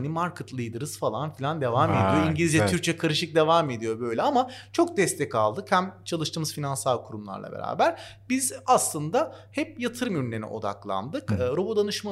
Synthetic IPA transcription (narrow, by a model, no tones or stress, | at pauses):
nimaɾkʰɯt̪lˠɯjd̪ɯɾɯz̥falˠanfilʲand̪e̞vaːmed̪ijoiɲɟlʲizd͡ʒɛt̪ʰyɾc̚t͡ʃʰɛkʰaɾɯʃɯk̚d̪e̞vaːme̞d̪ijo̞bø̞jlʲɛamat͡ʃʰok̚d̪ɛst̪ʰɛkalˠd̪ɯkhæmt͡ʃʰalˠɯʃt̪ɯːmɯzfinansalˠkʰuɾumlˠa̰ɾlˠa̰be̞̰ɾa̰ːbæɾ̥bizaslˠɯnd̪ahɛp̚jat̪ʰɯɾɯmyɾnenḭʔo̞̰d̪a̰klˠa̰nd̪ɯkɯːɾo̞bo̞d̪anɯʃma